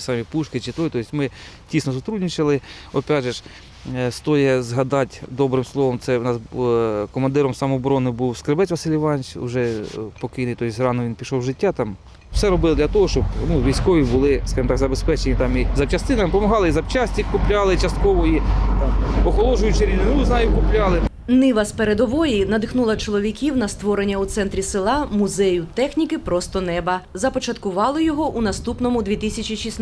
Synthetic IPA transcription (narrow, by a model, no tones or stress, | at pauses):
sɑmʲipuʃkɪt͡ʃɪt̪ɔjt̪ɔjsʲmɪ | tʲisnɔsʊt̪ɾudʲnʲit͡ʃɪlˠɪ | ɔpʲɑdʒɛʃ | st̪ɔjɛzɦɐd̪ɑtʲd̪ɔbɾɪmslˠɔʋɔmt̪sɛnɑskɔmɐnd̪ɪɾɔmsɐmɔːbɾɔnɪbuwskɾebɛt͡sʲʋɐsʲɪlʲiʋɑnʲt͡ʃʊ̰ʒɛpɔkɪjnɪjt̪ɔjsʲrɑnɔʋʲinpʲiʃɔwʒɪtʲːɑt̪ɑm | wsɛɾɔbɪlˠd̪lʲɐt̪ɔɦɔʃt͡ʃɔbnuʋʲijsʲkɔʋʲibʊlˠɪskɑʒɨmɔt̪ɑɡzɐbespɛt͡ʃenʲit̪ɑmizɐwt͡ʃɐst̪ɪnɐmpɔmɐɦɑlˠɪizɐwt͡ʃɑsʲtʲikkːʊplʲɑlˠɪt͡ʃɐst̪̚kɔʋɔit̪ɑmɔxɔlˠɔʒʊjʊt͡ʃɪɾʲilɪɾuznɑjʊkʊplʲɑlˠɪ | nɪʋɐspeɾed̪ɔʋɔjinɐd̪ɪxnulˠɐt͡ʃɔlˠɔʋʲikʲiwnɐst̪ʋɔɾenʲːɐut̪sɛnt̪ɾʲisɪlˠɑmʊzɛjʊt̪ɛxnʲikɪpɾɔst̪ɔnɛbɐzɐpɔt͡ʃɐt̪kʊʋɑlˠɪjɔɦɔʔunɐst̪upnɔmʊd̪ʲʋʲit̪isʲɐt͡ʃʲiʃis